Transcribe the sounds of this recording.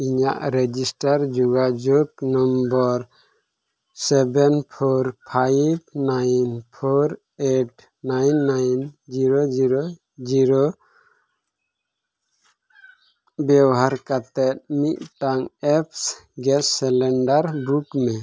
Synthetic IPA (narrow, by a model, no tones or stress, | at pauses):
iɲa̰ʔɾɛd͡ʒisʈaɾd͡ʒuɡad͡ʒɔɡnɔmbɔɾ | sɛbɛnpʰɔɾpʰajbnajnpʰɔɾ | eʈ | najnːajnd͡ʒiɾod͡ʒiɾo | d͡ʒiɾo | bjɔwɦaɾkat̪ɛt̪̚mit̪̚ˀʈaŋɛpsɡɛsɛlɛɳɖaɾbukmɛ